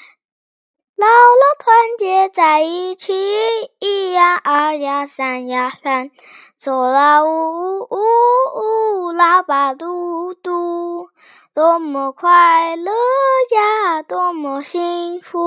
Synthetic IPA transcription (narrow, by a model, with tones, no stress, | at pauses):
la˧lə˧t̪ʰwa˧˦˥nt͡ɕjɛ˧t͡sa˨˩i˧t͡ɕʰi˧i˥ja˧˥ʔa˧˥ja˧˩sa˨˧˩nja˧˩ɬa˧n | t͡so˨˩la˧u˧˩u˦u˦la˧pa˨˩t̪u˧t̪u˧ | t̪ɔ˧mɔ˨˩kʰwa˥˧ɪlə˧ja˧t̪ɔ˧mɔ˨˩ɕi˧˥ŋfu˧